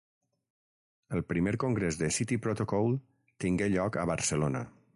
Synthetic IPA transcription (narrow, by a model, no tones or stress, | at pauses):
əlˠpɾimeɾkoŋɡɾezðəsit̪ipɾot̪okɔwˠ | t̪iŋɡeʎɔkəβəɾsəlonə̰